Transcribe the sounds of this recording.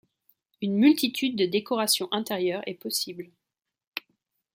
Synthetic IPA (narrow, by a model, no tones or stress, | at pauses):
ynmylt̪it̪ʰyd̪ːəd̪ekɔʁasjɔ̃ʔɛ̃t̪eʁjœːʁɛ̰pɔsibl